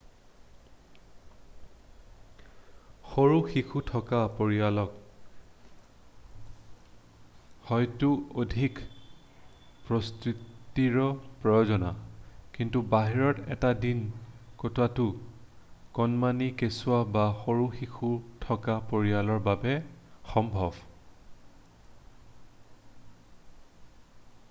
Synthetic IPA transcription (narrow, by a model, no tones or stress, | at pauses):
xoɹuxixʰutʰɔkapoɹialɔk | hɔjtuodʱik | pɹɔstɹitiɹɔpɹɔjɔzɔnakintubaɦiɹɔtɛ̰tadinkotwatʊ | kɔnmanikesʊabaxoɹuxixʰutʰɔkapoɹialɔɹbabɛxɔmbʱɔb